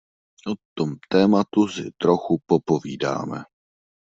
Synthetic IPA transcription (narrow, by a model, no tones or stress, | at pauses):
ʔot̪omt̪ɛːmat̪usɪt̪ɾoxupopo̞viːda̰ːmɛ̰